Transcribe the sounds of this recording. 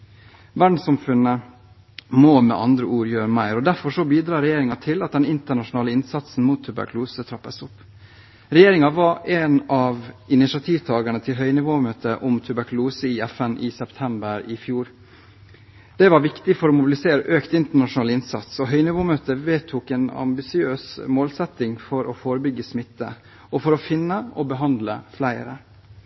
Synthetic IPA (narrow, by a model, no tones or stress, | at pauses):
ʋæɖɳ̩sɑmfʉnə | moːmɛ̰ʔɑnd̪ɾəʔuːɾjøːɾəmæɪɾɔd̪æɾfɔʂɔbiːd̪ɾɑːɾɛjeːɾɪŋɑt̪ʰɪlɑt̪̚d̪ɛnɪnt̪əɳɑʂʊnɑːləɪnsɑt̪sn̩muːt̪ʰːʉbæ̰kluːsət̪ʰɾɑpːəsʊpː | ɾɛjeːɾɪŋɑʋɑɾeːnɑʋɪnɪʃɪɑt̪ʰiːʋt̪ʰɑːɡəɳət̪ʰɪlɦœʏnɪʋoːmøːt̪ʰəʔʊmt̪ʰʉbæɾkʉluːsəɪɛfɛnʔɪsɛpt̪ʰɛmbəɾɪfjuːɾ | d̪̥ɛʋɑɾʋɪkt̪ɪfɔɾɔːmʊbɪlɪseːɾəʔøːkt̪ɪnt̪əɳɑʂʊnɑːlɪnsɑ̰t̪sɔɦœʏnɪʋoːmøːt̪əʋeːt̪ʰʊkɛːnɑ̰mbɪsɪøːsmoːlsɛt̪ɪŋfɔɾʔɔfoːɾəbʏɡːəsmɪt̪ːə̰ | ʔɔfɔɾɔfɪnːəɔbəɦɑnd̪ləflæɪ̰ɾə̰